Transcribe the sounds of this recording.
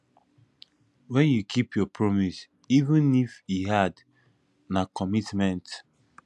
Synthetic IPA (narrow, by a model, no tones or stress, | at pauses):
wɛ̃njukʰipjɔpʰɹɔmis | ivũnifiɦad | nakɔmitmɛ̃nt